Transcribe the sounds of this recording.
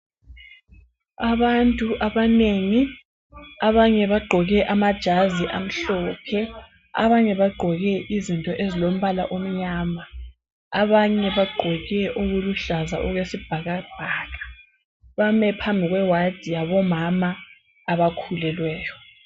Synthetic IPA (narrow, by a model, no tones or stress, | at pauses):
aβantʼuʔaβaneːŋi | aβaɲɛβaɡ͡ǃʱɔɣɛʔamad̥ʒ̥ʱaziʔam̩ɬɔpʰɛ | a̰βaɲɛβaɡ͡ǃʱɔɣɛʔizintʼɔʔezilom̩βala̰ʔom̩ɲaːma | aβaɲɛβaɡ͡ǃʱɔɣɛʔoɣuluɬazaʔuɣwesib̥ʱaɣab̥ʱaːɣḁ | βamɛpʰambʱiɣwɛwad̥ʱijaβɔmamaː | βakʰulɛlwɛːjɔ